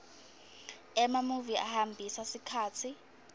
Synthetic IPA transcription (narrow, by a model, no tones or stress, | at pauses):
ɛmamuviʔahambʱisasikʰaːt͡sʰi